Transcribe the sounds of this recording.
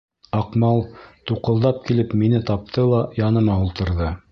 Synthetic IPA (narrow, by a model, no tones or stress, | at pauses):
ɑqmɑlˠt̪uqɤ̆lˠd̪ɑp̚kilɘpminɘt̪ɑp̚t̪ʰɤlˠɑjɑnɤ̆mɑulˠt̪ɤ̆ɾðɤ